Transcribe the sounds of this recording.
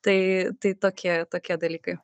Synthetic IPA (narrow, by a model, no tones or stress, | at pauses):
t̪ɐɪt̪ɐɪt̪oːkʲiɛt̪oːkʲiɛd̪ɐlʲiːkɐɪ